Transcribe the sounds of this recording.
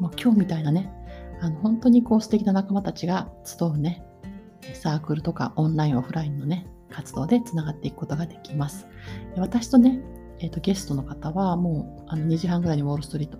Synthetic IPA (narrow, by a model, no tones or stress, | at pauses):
moːkʲo̞ːmʲit̪ainane̞ano̞ɦõ̞nt̪o̞ɲ̟iko̞ːsɨ̥t̪e̞kʲinanakamat̪at͡ɕiɡat͡sɨ̥d̪o̞ɯ̟ne̞ | saːkɯ̟ɾɯ̟t̪o̞ka̰ʔõ̞nɾaĩɰ̃o̞ɸɯ̟ɾaĩnːo̞ne̞ | kat͡sɨd̪o̞ːd̪e̞t͡sɨnaɡat̪ːe̞ikɯ̥kot̪o̞ɡad̪e̞kʲimasɨ̥eβ̞at̪aɕi̥t̪o̞ne̞ | eːt̪ːo̞ɡʲe̞sɨ̥t̪o̞no̞kat̪aβamo̞ː | ano̞ɲ̟iʑiɦãŋɡɯ̟ɾaiɲ̟iβo̞ːɾɯst̪o̞ɾʲit̪ːo